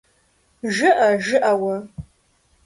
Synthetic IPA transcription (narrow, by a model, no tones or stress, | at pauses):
ʒɨʔɐʒɨʔɐwɐ